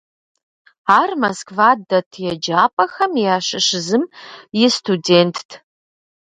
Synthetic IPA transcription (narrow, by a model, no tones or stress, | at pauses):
aːrmɐskʰvaːdɐtʰjɛd͡ʒaːpʼɐxɐmjaːɕɪɕɪzɨmjɪstʰudeːntʰtʰ